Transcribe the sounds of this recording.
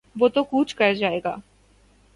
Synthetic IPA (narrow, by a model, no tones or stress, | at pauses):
ʋoːt̪okuːt͡ʃʰkɐɾd͡ʒaːeɡa̰ː